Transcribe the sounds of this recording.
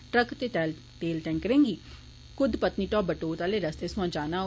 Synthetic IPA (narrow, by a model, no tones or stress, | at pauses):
ʈɾəkt̪et̪ɛːl | t̪eːlʈɛ̃ːŋkəɾẽːŋɡiː | kʊd̪pət̪niːʈɔːp̚bəʈoːt̪aːleːɾəst̪eːsʊãːd͡ʒaːnaː